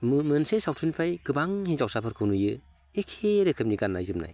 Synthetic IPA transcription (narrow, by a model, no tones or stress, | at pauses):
mmɯnsesawtʰunpʰajɡɯbaŋhizawsapʰɯɾkʰɯwnujɯ | ekʰeɾɯkʰɯp̚niɡanːajzɯmna̰j